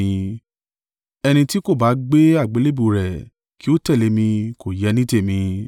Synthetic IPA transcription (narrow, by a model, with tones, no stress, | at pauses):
ɛ˧nĩ˧ti˦ko˦˨ba˨˦ɡ͡be˦a˦˨ɡ͡be˨˦le˦bu˦˨ɾɛ˨ | ki˦o˦tɛ˦˨le˨˦mĩ˧ko˨jɛ˨˦nĩ˦te˦˨mĩ˧